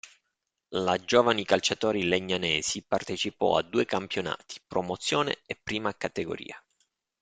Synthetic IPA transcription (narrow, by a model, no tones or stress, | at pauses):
lad͡ʒoːvanikalt͡ʃat̪ɔːɾileɲːanɛːzipart̪et͡ʃipɔ̰a̰d̪ːuːekampjona̰ːt̪ʰi̥pɾomot̪sːjoːnḛepːɾiːmakat̪eɡo̰ɾḭːa